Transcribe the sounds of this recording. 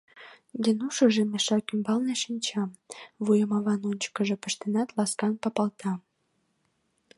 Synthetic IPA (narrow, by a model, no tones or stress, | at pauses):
denuʃŏʒemeʃɑkymbɑlneʃinʲt͡ɕɑmβujəmɑβɑnonʲt͡ɕə̥kə̆ʒĕpə̆ʃt̪enɑt̪lɑskɑnpɑpɑlt̪ʰɑm